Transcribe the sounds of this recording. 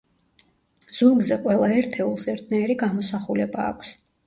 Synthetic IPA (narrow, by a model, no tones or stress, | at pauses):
z̥uɾɡzɛqʼwɛlˠaɛɾt̪ʰɛulˠsɛɾt̪ʰnaɛɾiɡamɔsaχulɛba̰ːkʷʰs